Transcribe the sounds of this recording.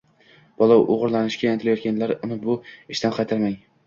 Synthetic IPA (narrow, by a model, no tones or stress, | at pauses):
b̥ɒlˠɒwʔoʁɨɾlanɪʃkʲajant̪ʰɪlajɒt̪kʲʰanlaɾnɪbʊɪʃt̪anqʰɑjt̪ʰaɾmaŋ